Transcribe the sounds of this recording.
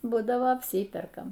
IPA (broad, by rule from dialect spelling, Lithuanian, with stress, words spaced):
ˈbuːdɐʋoː ɐpʲˈsʲiːpʲɛrkɐm